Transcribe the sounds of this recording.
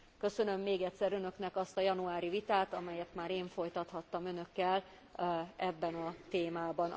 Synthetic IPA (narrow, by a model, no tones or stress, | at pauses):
kø̞sø̞nø̞mːeːɡɛt̪sɛɾø̞nø̞knɛkɒst̪ɒjɒnuaːɾivit̪aːt̪ɒmɛjɛt̪maːɾeːɱfo̞jt̪ɒt̪hɒt̪ːɒmø̞nø̞kːɛl | ɛbːɛnɒt̪eːmaːbɒn